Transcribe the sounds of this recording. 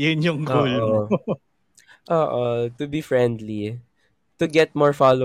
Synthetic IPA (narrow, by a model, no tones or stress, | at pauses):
ɪnjʊŋɡoːl | ʔoːʔot̪ʊbifɹɛ̃nd̪li | t̪ʊɡɛt̪̚mɔɹfalo